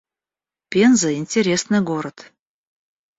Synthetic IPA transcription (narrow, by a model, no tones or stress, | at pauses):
pʲenzɨɪnʲtʲeɾʲesnɨɡoɾət̪